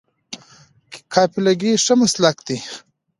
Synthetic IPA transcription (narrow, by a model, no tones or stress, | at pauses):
kʰɑːpilaɡiʂəmaslakd̪i